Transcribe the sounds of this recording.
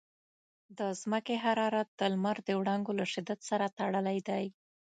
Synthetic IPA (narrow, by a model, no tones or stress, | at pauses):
d̪əzməkeɦaɾɑɾat̪̚d̪əlmaɾd̪əwɽaŋɡolaʂɪd̪at̪saɾat̪aɽəlajd̪aj